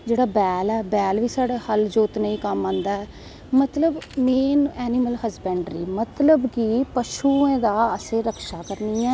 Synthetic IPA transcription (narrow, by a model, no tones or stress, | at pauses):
d͡ʒeːɽaːbɛːlɛːbɛːlʋiːsaːɽaːhəld͡ʒoːt̪neːĩːkəmãːnd̪aːɛː | mət̪ləbmeːnɛːnɪməlɦəzbɛ̃ːɳɖɾiːmət̪ləbkiːpəʃuːẽːd̪aːəsẽːɾəkʰʃaːkəɾniːɛ̃ː